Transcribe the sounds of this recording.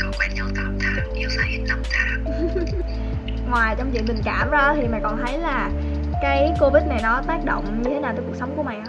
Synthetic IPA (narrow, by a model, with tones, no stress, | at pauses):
ko˧˩kwɛ̰˧˩nɲə˧˩t̪a˧˩mt̪ʰaː˧˩ʔi˧əwsaː˧˦jhi˧˦n̚na˧˩mt̪ʰaː˧˩ | ŋwaː˨˩jt͡ɕɔ˧wŋ͡mt͡ɕḭ˧˨ɗ̪ɨ˨˩ŋkaː˧˩mzaː˧t̪ʰi˨˩ma̰ː˨˩kɔ˨˩nt̪ʰə˨˦jlaː˨˩ | kaː˨˦jko˧vi˦˥t̚na˨˩jnɔ˨˦t̪aː˦˥k̚ɗo̰˧˨wŋ͡mɲɨ˧t̪ʰe˨˦naː˨˩t̪ːkk̚sə˨˦wŋ͡mku˧əma˨˩ŋʔa˧